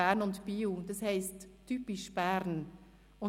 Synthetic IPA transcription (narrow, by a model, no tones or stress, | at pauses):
æːɾnʊntb̥iːud̥ɑshɛɪsttʰːypɪʃb̥æɾn | ʊ